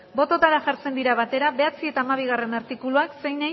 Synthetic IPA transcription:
bo̞t̪ot̪aɾaʝaɾt͡se̞nd̪iɾaβat̪e̞ɾaβe̞at͡sie̞t̪aːmaβ̞iɣ̞are̞naɾt̪ikuluaksejna

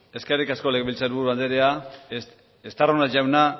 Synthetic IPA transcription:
e̞skerikaskolekβilt͡saɾβuɾuand̪eɾea | est̪aronaʝawna

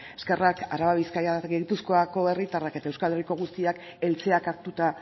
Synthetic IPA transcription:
eske̞raka̰ɾaβaβiskajaɡejpusko̞ako̞e̞rit̪arake̞t̪aewskale̞riko̞ɣ̞ust̪iak | e̞lt͡se̞akaɾt̪ut̪a

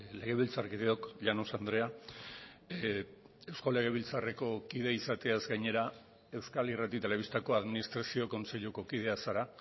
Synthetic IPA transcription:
le̞ɣe̞β̞ilt͡sarkiðeo̞kʎanosand̪ɾe̞a | e̞wsko̞le̞ɣ̞e̞βilt͡sare̞ko̞kiðe̞isat̪e̞azɡajɲe̞ɾa | e̞wskalirat̪it̪e̞le̞βist̪ako̞aðminist̪ɾasio̞ko̞nse̞ʎuko̞kiðe̞asaɾa

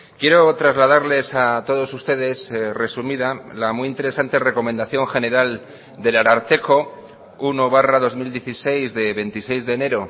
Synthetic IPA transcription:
kje̞ɾo̞t̪ɾazlaðaɾle̞sat̪o̞ð̞o̞sust̪e̞ðe̞sre̞sumiðalamijint̪e̞ɾe̞sant̪e̞re̞ko̞mẽnd̪aθjo̞ŋxe̞ne̞ɾal | d̪e̞laɾaɾt̪e̞ko̞ | uno̞β̞araðo̞zmild̪je̞θise̞jzðe̞βe̞nt̪ise̞jzðe̞ːne̞ɾo̞

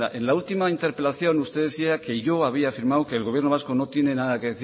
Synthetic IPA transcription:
a̰ʔe̞nlault̪imaint̪e̞ɾpe̞laθjo̞nust̪e̞ðeθiake̞ʝo̞aβ̞iaːfiɾmawkeːlɣo̞β̞je̞ɾnoβasko̞no̞t̪je̞ne̞naðakeðeθi

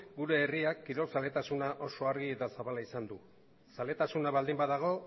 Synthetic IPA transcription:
ɡuɾe̞ːriakːiɾo̞lsale̞t̪asunaʔo̞so̞aɾɣiet̪asaβalaisand̪u | sale̞t̪asunaβald̪imbaðaɣ̞o̞

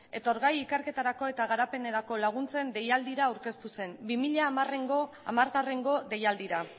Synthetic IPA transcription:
e̞t̪o̞ɾɣajikeɾke̞t̪aɾako̞e̞t̪aɣ̞aɾape̞ne̞ɾako̞laɣ̞unt͡se̞nd̪e̞jald̪iɾaːwɾke̞st̪use̞nbimiʎareɡo | amaɾɣare̞ŋɡo̞de̞jald̪iɾa

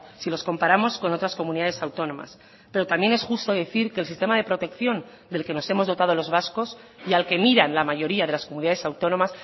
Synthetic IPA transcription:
silo̞sko̞mpaɾamo̞sko̞no̞t̪ɾasko̞mũniðaðe̞sawt̪o̞nõ̞ma̰s | pe̞ɾo̞t̪amje̞ne̞sxust̪o̞ðe̞θiɾke̞ːlsist̪e̞maðe̞pɾo̞t̪e̞kθjo̞n | d̪e̞lke̞no̞se̞mo̞zðo̞t̪að̞olo̞zβasko̞sialke̞miɾanlamaʝo̞ɾiaðelasko̞muniðaðe̞sawt̪o̞no̞mas

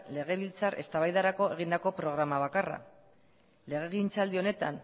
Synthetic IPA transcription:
le̞ɣ̞e̞β̞ilt͡sarʔe̞̰st̪aβajðaɾako̞e̞ɣ̞ind̪ako̞pɾo̞ɣ̞ɾamaβ̞akara̰ | le̞ɣ̞e̞ɣint͡sald̪io̞ne̞t̪an

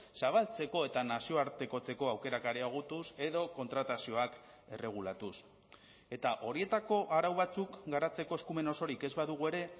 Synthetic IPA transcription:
saβ̞alt͡se̞ko̞e̞t̪anasio̞aɾt̪e̞ko̞t͡se̞ko̞awke̞ɾakaɾeoɣ̞ut̪use̞ðo̞ko̞nt̪ɾat̪asio̞ak | e̞re̞ɣ̞ulat̪us | e̞t̪aʔo̞ɾie̞t̪ako̞ʔaɾawβat͡sukɡaɾat͡se̞ko̞e̞skume̞no̞so̞ɾike̞zβaðuɣ̞ue̞ɾe̞

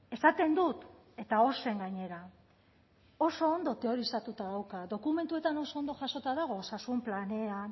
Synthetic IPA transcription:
e̞sat̪e̞nd̪ut̪ | e̞t̪ao̞se̞ŋɡaɲe̞ɾa | o̞so̞ːnd̪o̞t̪e̞o̞ɾisat̪ut̪aðawkaðo̞kume̞nt̪ue̞t̪ano̞so̞ond̪o̞ʝaso̞t̪aðaɣ̞o̞osasumplane̞a

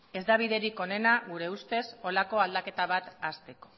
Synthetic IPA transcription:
e̞zd̪aβ̞iðe̞ɾiko̞ne̞naɣuɾe̞ust̪e̞so̞lako̞ald̪ake̞t̪aβ̞at̪ast̪e̞ko̞̥

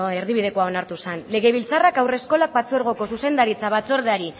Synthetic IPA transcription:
e̞ɾðiβið̞e̞koao̞naɾt̪usanle̞ɣ̞e̞β̞ilt͡sarakawre̞sko̞lak̚bat͡sueɾɣ̞o̞ko̞suse̞nd̪aɾit͡saβat͡sueɾðeaɾi

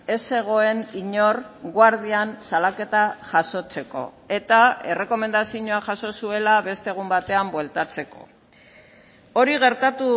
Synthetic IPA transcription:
e̞se̞ɣ̞o̞e̞niɲo̞rɣwaɾðiansalake̞t̪aʝaso̞t͡se̞ko̞̰ | e̞t̪ae̞re̞ko̞me̞nd̪asiɲoaʝaso̞sue̞laβe̞st̪eɣ̞umbat̪e̞ambwe̞lt̪at͡se̞ko̞̰ | o̞ɾiɣe̞ɾt̪at̪u

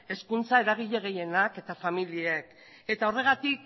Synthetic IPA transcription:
e̞skunt͡sae̞ɾaɣ̞iʎe̞ɣ̞e̞je̞nake̞t̪afamiliek | e̞t̪ao̞re̞ɣ̞at̪ik̚

